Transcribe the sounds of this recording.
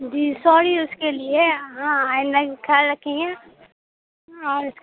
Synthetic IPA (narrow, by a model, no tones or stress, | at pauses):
d͡ʒiːsɔːɾiʊskelieɦãːaːɪ̃nd̪ɐkʰɛlɾɐkʰːẽŋɡẽː | ɔːɾʊs